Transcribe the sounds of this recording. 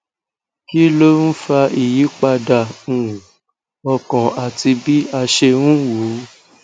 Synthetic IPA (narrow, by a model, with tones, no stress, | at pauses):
ki˦lo˦n̩˦fa˧i˨ji˨˦k͡pa˧dã˦˨ũ˨ | ɔ˧kɔ̃˨a˨ti˧bi˦a˧ʃe˧nũ˦wo˨˦